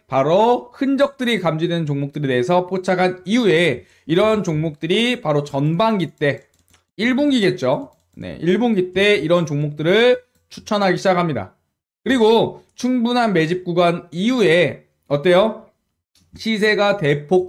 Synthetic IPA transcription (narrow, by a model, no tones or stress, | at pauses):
paɾohɯnd͡ʑʌk̚t͈ɯɾikamd͡ʑidwennt͡ɕoŋmok̚t͈ɯɾe̞te̞ɦes̬ʰʌpʰot͡ɕʰakʰaniue̞ | iɾʌnt͡ɕoŋmok̚t͈ɯɾipaɾot͡ɕʌnbaŋɡit͈e̞ | iɭboŋɡiɡe̞t̚t͡ɕ͈o | ne̞̰ʔiɭboŋɡit͈e̞iɾʌnt͡ɕoŋmok̚t͈ɯɾɯɭ | t͡ɕʰu̥t͡ɕʰʌnɦaɡiɕʰid͡ʑakʰamɲida̰ | kɯɾiɡot͡ɕʰuŋbunɦanme̞d͡ʑip̚k͈uɡwaniue̞ | ʌt͈ejo | ɕʰis̬ʰe̞ɡate̞pʰok̚